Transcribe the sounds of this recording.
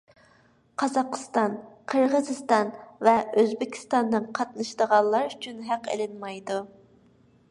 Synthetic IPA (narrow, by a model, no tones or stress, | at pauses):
qʰɑzɑqʰːə̥st̪ɑnqʰəɾʁəzɨst̪ɑnvɛøzbɪkʲʰi̥st̪ɑnd̪ɨŋqʰɑt̪nɨʃd̪əʁɑnlˠɑɾyt͡ʃʰynɦæqḛlɪnmɑjd̪u